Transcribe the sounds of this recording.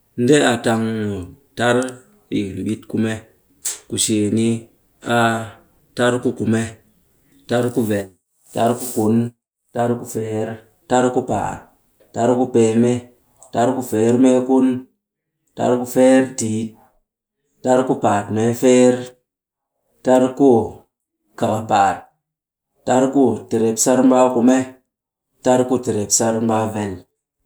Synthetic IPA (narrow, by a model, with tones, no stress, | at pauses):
n̩˦de˦a˨ta˧ŋo˨ta˦ɾ | ḭ˨n˨ɓi˦tku˦me˦ | ku˨ʃe˨ni˦ | a˦ | ta˦ɾku˦ku˨me˦ | ta˦ɾku˦ve˨n | ta˦ɾku˦ku˨n | ta˦ɾku˦fe˦ɾ | ta˦ɾku˦pa̰˨ | ta˦ɾku˦pe˨me˦ | ta˦ɾku˦fe˨˦ɾme˦ku˦n | ta̰˦ɾku˦fe˦ɾti˨ | ta˦ɾku˦pa˨tme˨˦fe˦ɾ | ta˦ɾku˦ | ka˨ba˨pa˨t̚ː | a˦ɾku˦te˨ɾe˨psa˦ɾm˦ba˦ku˨me˦ | ta˦ɾku˦te˨ɾe˨psa˦ɾm˦ba˦ve˨l